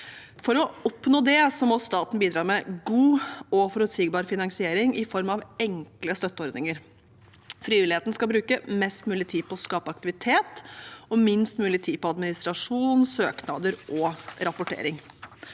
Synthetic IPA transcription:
fɔɾɔɔpnoːd̪ɛsɔmɔst̪ɑːt̪n̩biːd̪ɾɑːmɛɡuːɔfɔɾʉt̪siːɡbɑːɾfɪnɑŋsɪeːɾɪŋʔɪfɔɾmɑʋɛŋkləst̪œt̪ːəɔɾd̪nɪŋəɾ | fɾiːʋɪlɪheːt̪n̩skɑlbɾʉːkəmɛst̪mʉːlɪt̪ʰiːpʰɔɔskɑːpəɑk̚t̪ɪʋɪt̪ʰeːt̪ɔmɪnst̪mʉːlɪt̪ʰiːpɔɑd̪mɪnɪst̪ɾɑʂuːnsøːknɑ̰d̪əɾʔɔɾɑpʊʈʰḛːɾɪŋ

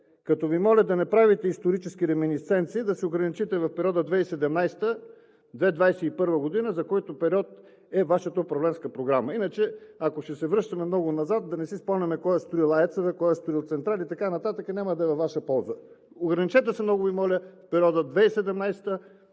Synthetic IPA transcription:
kɐt̪ɔvimɔlʲəd̪ɐnɛpɾavit̪ɛist̪oɾit͡ʃɛsk̟iɾɛminit̪sɛnt̪siːd̪ɐsioɡɾɐnit͡ʃit̪ɛvɐfpɛɾʲiɔd̪əd̪vɛisɛd̪ɛmnajst̪ə | d̪vɛd̪vajsɛipɤɾvəɡod̪inəzɐkɔjt̪opɛɾʲiɔt̪ | ɛvaʃət̪əopɾɐvlɛnskəpɾoɡɾaməinət͡ʃɛɐkoʃt̪ɛsɛvɾɤʃt̪ɐmɛmnɔɡonɐzat̪̚d̪ɐnɛsispɔmnʲɐmɛkɔjɛst̪oɾilˠaɛt̪sovɛkɔjɐst̪oɾilˠt̪sɛnt̪ɾalʲiːt̪ɐkanɐt̪at̪əkənʲaməd̪ɐɛvɐvːaʃəpɔlˠzə | oɡɾɐnit͡ʃɛt̪ɛsɛmnɔɡʊvimɔlʲəfpɛɾʲiɔd̪əd̪vɛisɛd̪ɛmnajst̪ə

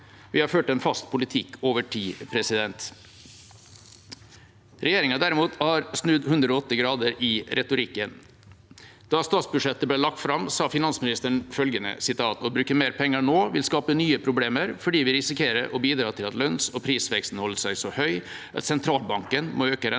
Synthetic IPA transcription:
ʋɪhɑɾføːʈəɛnfɑst̪̚pʰʊlɪt̪ʰɪkːʰoːʋəʈʰiːpʰɾɛsɪd̪ɛnt̪ | ɾɛjeːɾɪŋɑd̪æɾɪmuːt̪hɑɾsnʉd̪hʉnd̪ɾɔoːɔt̪ːəɡɾɑːd̪əɾɪɾʔɛt̪ʊɾɪkːən | d̪̥ɑst̪ɑːt̪sbʉʂɛt̪ːəbleːlɑk̚t̪fɾɑmsɑːfɪnɑnsmɪnɪst̪əɳfœlɡənə̰sɪt̪ʰɑːt̪ɔbɾʉːkəmeːɾpʰɛŋːəɳoːʋɪlskɑːpənyːəpʰɾʊbleːməɾfɔɖiːʋɪɾɪsɪkʰeːɾə̰ɾʔɔbiːd̪ɾɑːt̪ʰɪlɑt̪lœnsɔpʰɾiːsʋɛkst̪n̩hɔlːəsæɪsɔhœʏ | ʔɑ̰t̪sɛnt̪ʰɾɑːlbɑŋkənmoːøːkəɾɛ

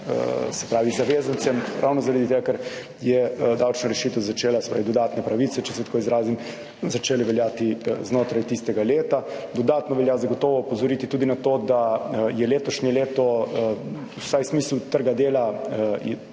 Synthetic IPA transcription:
ə̰sɛ̥pɾaːʋizaʋeːzant̪sɛmɾa̰wnɔzaɾad̪it̪eɡakɛɾ | jɛd̪awt͡ʃnɔɾɛʃit̪ɛwzat͡ʃeːlasɛ̥pɾa̰ːʋid̪ɔd̪aːt̪nɛpɾaʋit̪sɛt͡ʃɛsɛt̪koizɾaːzim | zat͡ʃeːliʋɛljaːt̪iznoːt̪ɾajt̪ist̪ɛɡaleːt̪ad̪ɔd̪aːt̪nɔʋɛljazaɡot̪ɔːʋɔpɔzɔɾit̪it̪uːd̪inat̪oːd̪ajɛleːt̪ɔʃɲɛleːt̪ɔ | usajsmiːslut̪əɾɡad̪eːla

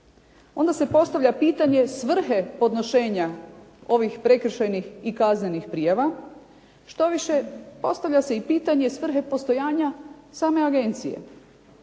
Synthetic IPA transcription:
o̞nd̪ase̞po̞st̪aʋʎʲapiːt̪aɲe̞sʋr̩xepo̞d̪no̞ʃe̞ːɲao̞ʋixpɾe̞kr̩ʃejnixikazɲenixpɾijaʋa | ʃt̪o̞ʋiʃe̞po̞st̪aʋʎase̞ipiːt̪aɲe̞sʋr̩ɦe̞po̞st̪o̞jaːɲasaːme̞aɡe̞nt̪sijḛ

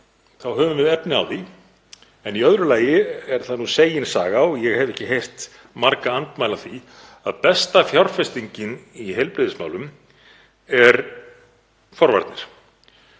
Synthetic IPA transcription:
θawɦœːvʏmɛðɛpnɪa̰wθi | ɛniœðɾʏlaːjɪɛɾ̥θaðnuseːjɪnsaːɣawjɛɣhɛvɛhcɪɦejr̥t̪ | maɾkaant̪maːjlaθi | a̰ðpɛst̪afjawɾ̥fɛst̪iɲcɪniɦɛjlpɾɪðɪsma̰wlʏm | ɛɾ | fɔɾva̰ɾt̪nɪɾ̥

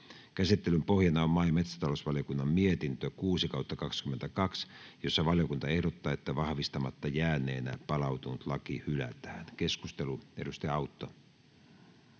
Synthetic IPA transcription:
kæsit̪ːe̞lympo̞hjɑnɑommɑjmet̪sæ̥t̪ɑlosʋɑljokunːɑmmiet̪int̪økuːsikɑut̪ːɑkɑkskymːent̪ækɑksjo̞sːɑʋɑljokunt̪ɑe̞hdot̪ːɑːet̪ːæʋɑhʋist̪ɑmɑt̪ːɑjæːnːˑe̞̰ːnæpɑlɑwt̪unut̪lɑkihylæ̰t̪æːnke̞skust̪eluedust̪eɑut̪ːo

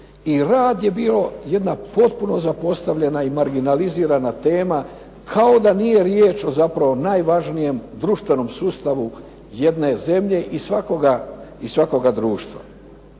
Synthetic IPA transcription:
iɾaːd̪je̞biːlo̞je̞d̪napo̞t̪puno̞zapo̞st̪aʋʎe̞naimaɾɡinaliziːɾanat̪e̞ːma | kʰao̞d̪anije̞ɾjeːt͡ʃo̞zapɾaʋo̞najʋaʒnije̞md̪ɾuʃt̪ʋe̞no̞msuːst̪aʋu | je̞d̪ne̞ze̞mʎe̞ʔisʋako̞ɡaisʋako̞ɡad̪ɾuːʃt̪ʋa̰

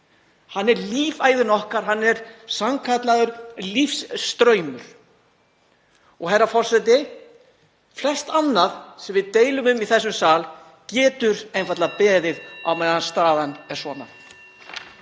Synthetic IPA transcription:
hanːɛɾliːvaːjðʏnɔhkaɾ̥ɦanːɛɾsamkʰat̪laðʏɾlifsːt̪ɾœːɥmʏɾ̥ | ɔɣɦɛɾafɔr̥sɛt̪ɪ | flɛr̥st̪anːaðsɛmvɪðt̪eːjlʏmʏmiθɛsːʏmsaːl | cɛːt̪ʏɾejnfat̪lapɛːðɪðawmɛðanst̪aːðanɛɾ̥sɔːna

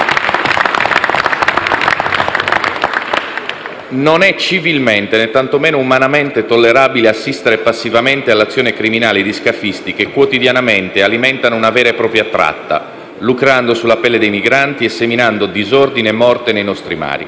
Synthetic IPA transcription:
nonɛt͡ʃːivilment̪enet̪ːant̪omeːnoumanament̪et̪olːeɾaːbileasːist̪eɾepasːivament̪ealːat̪sːjoːnekɾiminaːled̪iskafist̪ikekwot̪id̪janament̪ealimɛnt̪anounavɛːɾepɾɔːpɾjat̪ɾa̰t̪ːa̰ | lukɾand̪osulːapɛlːed̪ejmiɡɾant̪iesːeminand̪od̪izɔrd̪inemɔrt̪enejnɔst̪ɾima̰ːɾḭ

